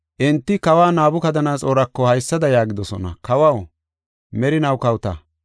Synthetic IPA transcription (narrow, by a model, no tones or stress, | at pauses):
ʔɛnt̪ːɪkɐwaːnaːbʊkɐd̪ɐnaːt͡sʼoːɾɐkːɔhɐjsːɐd̪ɐjaːɡɪd̪ɔsɔnɐ̰kɐwɐw | mɛɾɪnɐwkɐwt̪ɐ̰